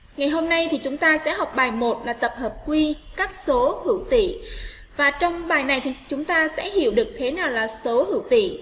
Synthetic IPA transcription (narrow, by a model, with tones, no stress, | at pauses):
ŋa˨˩jɦo˧mna˧jt̪ʰi˨˩t͡ɕʊ˨˦ŋ͡mt̪aː˧sɛ̰˧˥ɦɔ˨˩wk͡p̚ɓaː˨˩jmo˨˩t̚laː˨˩t̪ə˨˩p̚həː˨˩p̚kwi˧kaː˦˥k̚so˨˦hɨ̰˧˩wt̪ḭ˧˨ | vaː˨˩t͡ɕɔ˧wŋ͡mɓaː˨˩jna˨˩jt̪ʰi˨˩t͡ɕʊ˨˦ŋ͡mt̪aː˧sɛ̰˧˥hi˧˩˨əwɗɨ˨˩ək̚t̪ʰe˨˦naː˨˩wlaː˨˩so˨˦hɨ̰˧˩wt̪ḭ˧˨